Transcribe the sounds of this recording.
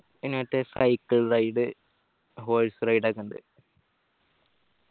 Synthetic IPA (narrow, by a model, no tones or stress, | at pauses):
enoːʈ̪ːesɐ̰jkːɐɭrɐjɖɨ | ɦoːɭsɨrɐjɖaːkːuɳɖɨ̰